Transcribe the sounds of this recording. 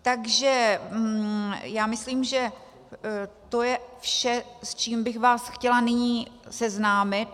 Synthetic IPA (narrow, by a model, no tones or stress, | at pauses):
t̪aɡʒɛ | jaːmɪsliːmʒɛ | t̪o̞jɛfʃɛst͡ʃiːmbɪxvaːsxcɛlanɪɲiːsɛznaːmɪt̪̚